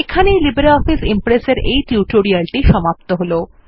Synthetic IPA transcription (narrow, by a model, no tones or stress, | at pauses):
ekʰanelibeɾɔfisimpɾeseɾejʈiuʈoɾialʈiʃɔmap̚t̪oɦolo